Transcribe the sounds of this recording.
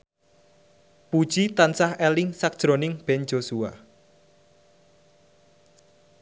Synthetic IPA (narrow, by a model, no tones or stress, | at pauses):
pud̥ʒ̥it̪ansahɛlɪŋsak̚d̥ʒ̥ɾonɪŋb̥ɛnd͡ʒ̥osua̰